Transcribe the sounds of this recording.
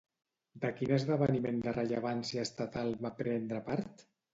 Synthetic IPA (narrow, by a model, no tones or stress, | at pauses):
d̪əkinəzðəβənimend̪ərəʎəβ̞ansiaːst̪at̪alˠβapɾɛnd̪ɾəpaɾt̪